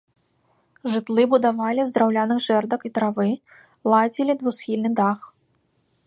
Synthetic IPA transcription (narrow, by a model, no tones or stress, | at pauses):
ʐɨt̪lˠɨbud̪avalʲizd̪ɾawlʲanɨxʐɛrd̪ɐkit̪ɾavɨ | lˠad͡zʲilʲid̪vusxʲilʲnɨd̪ax